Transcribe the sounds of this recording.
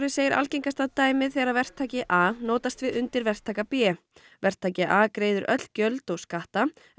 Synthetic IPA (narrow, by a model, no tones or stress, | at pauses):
ɾɪseːjɪɾʔa̰lceŋkast̪at̪aːjmɪðθɛɾavɛr̥t̪ʰaːcɪʔaːnoːwt̪ast̪vɪðʏnt̪ɪɾvɛr̥t̪ʰːaːjkapɛː | vɛr̥t̪ʰaːcɪʔaːkɾeːjðʏɾʔœ̰t̪l̥cœlt̪ɔskaht̪a